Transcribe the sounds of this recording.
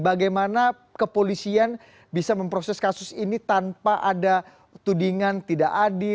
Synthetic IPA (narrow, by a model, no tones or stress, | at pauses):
baɡajmana | kəpolisian | bisaməmpɾosɛskasʊsinit̪anpaʔada | t̪udiŋant̪idaʔadɪ